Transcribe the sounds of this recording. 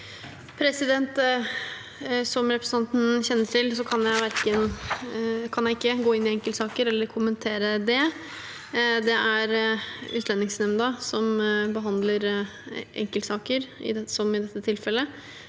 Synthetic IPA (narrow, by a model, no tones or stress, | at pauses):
pʰɾɛsɪd̪ɛnt̪ | sɔmɾɛpɾəsn̩ɑnt̪n̩çɛnːəʈʰɪlsɔkʰɑnjæɪʋæɾkən | kʰɑnjæɪɪkːəɡoːɪnːɪɛŋkəlt̪sɑːkəɾɛlːəɾkʰʊmənt̪ʰeːɾəd̪ɛ | d̪ɛʔæɾʉːt̪lɛnːɪŋsnɛmnd̪əsɔmbəɦɑnd̪ləɾ | ʔɛ̰ŋkəlt̪sɑːkəɾɪ̰sɔmɪd̪ɛt̪ːət̪ʰɪlfɛlːə